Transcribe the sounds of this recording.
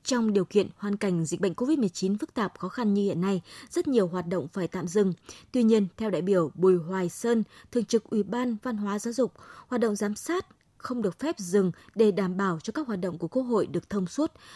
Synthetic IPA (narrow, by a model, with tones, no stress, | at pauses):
t͡ɕɔ˧wŋ͡mɗi˨˩əwkḭ˧˨ənhwaː˨˩nka˧˩jŋ̟zḭ˨k̟̚ɓə̰˧˨ŋ̟ko˧vi˦˥t̚mɨ˨˩ət͡ɕi˨˦nfɨ˦˥k̚t̪aː˨˩p̚xɔ˨˦xa˧nɲɨ˧hḭ˧˨ənːa˧jzə˦˥t̚ɲi˨˩əwɦwaː˨˩t̚ɗə̰˧˨wŋ͡mfaː˧˩jt̪a̰ː˧˨mzɨ˨˩ŋt̪wi˧ɲi˧ənt̪ʰɛ˧wɗa̰ː˧˨jɓi˧˩əwɓu˨˩jɦwaː˨˩jsəː˧nt̪ʰɨ˨˩əŋt͡ɕɨ˨˩k̚ʔwi˧˩ɓaː˧nva˧nɦwaː˨˦zaː˨˦wzʊ˨˩k͡p̚hwaː˨˩t̚ɗə̰˧˨wŋ͡mzaː˨˦msaː˦˥t̚ | xə˧wŋ͡mɗɨ˨˩ək̚fɛ˦˥p̚zɨ˨˩ŋɗe˧˩ɗaː˧˩mɓaː˧˩wt͡ɕɔ˧kaː˦˥k̚haː˨˩t̚ɗə̰˧˨wŋ͡mku˧˩əko˧˥ɦho̰˧˨jɗɨ˨˩ək̚t̪ʰə˧wŋ͡mswə˦˥t̚